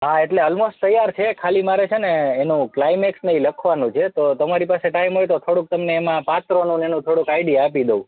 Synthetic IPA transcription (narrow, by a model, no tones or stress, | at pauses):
ɦaeʈleəlmosʈt̪əjːaɾt͡ʃʰekʰalimaɾet͡ʃʰeneːnũklaimeksnəɦĩləkʰʋanũt͡ʃʰet̪ot̪əmaɾipaseʈaimɦojt̪ot̪ʰoɽũk̚t̪əmneːmãpat̪ɾonũnenũt̪ʰoɽũkaiɖijaːpid̪ou